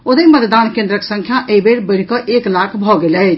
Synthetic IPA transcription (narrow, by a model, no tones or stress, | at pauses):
od̪əmət̪d̪ankẽnd̪ɾəksə̃ŋkʰjaʔeibeɽbəɪɽ̤kəʔeklakʰbʱɔɡelɛt͡ʃʰ